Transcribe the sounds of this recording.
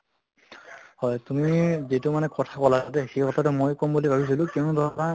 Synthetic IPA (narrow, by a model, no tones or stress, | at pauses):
hɔjtumizetumanɛkɔtʰakɔlaat̬ɛxejkɔtʰatumojkɔmbulibʱabis̬ilʊ̃kɛʊnudʱana